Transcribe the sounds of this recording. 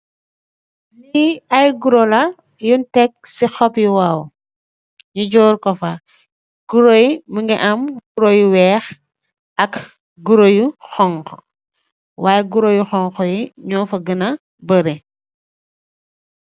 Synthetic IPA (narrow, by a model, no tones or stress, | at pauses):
liɐjɡuɾolɐ | juntɛk̚sixɔpjuwaːw | ɲuɟɔːɾkɔfa | ɡ̥uɾojiməŋɡɛʔɐmɡuɾojuwɛːx | ɐk | ɡuɾojuxɔŋkɔ | waːjɛɡuɾojuxɔŋxɔjiɲɔːfɐɡənɐ | bəɾɛ